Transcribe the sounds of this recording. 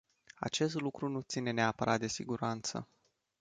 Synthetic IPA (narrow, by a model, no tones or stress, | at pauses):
a̰t͡ʃe̞st̪lukɾunut̪sine̞neapəɾʔat̪̚d̪e̞siɡuɾant̪sə̰